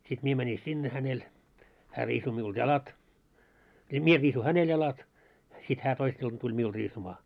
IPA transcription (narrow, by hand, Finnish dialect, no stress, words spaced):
sit mie mæni sinːe hænel hæː riːsu miuld̥ jɑlɑt jɑ mie riːsu hænel jɑlɑt sit hæː toisː iltɑ tulʲ miul riːsumɑ